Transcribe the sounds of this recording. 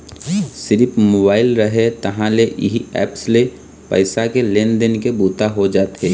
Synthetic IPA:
sɪɾɪpmoːbaːɪlɾəɦet̪ɐɦãleʔɪɦiɛ̰ːpsle | pə̰ɪsakelẽːnd̪ɪnkebuːt̪aɦod͡ʒaːt̪ɦeː

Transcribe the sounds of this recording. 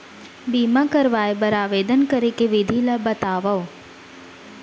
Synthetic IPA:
biːmakəɾʋaːebɐɾaːʋeːd̪ənkɐɾekeʋɪd̪ʱilabɐt̪aːʋɐo

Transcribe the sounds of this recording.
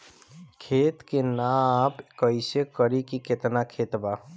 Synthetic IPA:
kʰeːt̪kenapkəɪsekəɾikiket̪nakʰeːt̪ba

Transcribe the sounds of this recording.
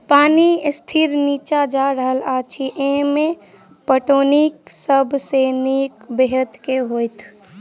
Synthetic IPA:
paːnist̪ʰiɾniːt͡ʃad͡ʒaɾəɦəlat͡ʃʰiʔẽmẽ | pəʈoːnik̚səbʱsenikbeɦət̪keɦoːjt̪ʰ

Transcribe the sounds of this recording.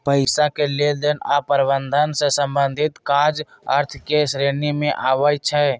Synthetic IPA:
pəɪsakeled̪enapəɾbənd̪ʱənsẽsə̃mbənd̪ʱit̪kad͡ʒ | əɾt̪ʰkesɾenimẽʔaːʋəjt͡ʃʰɛ

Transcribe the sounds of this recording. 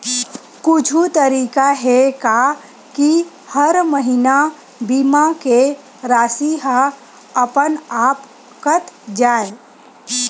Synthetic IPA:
kʊt͡ʃʰut̪əɾiːkaɦɛka | ki | həɾməɦina | biːmake | ɾaːsiɦa | əpənaːp | kət̪d͡ʒaːe

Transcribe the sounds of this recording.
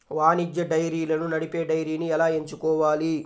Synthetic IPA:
ʋaːnid͡ʒjɐɖɐjɾiːlɐnunɐɽipeːɖɐjɾiːniɛlaːeɲt͡ʃukɔːʋaːli

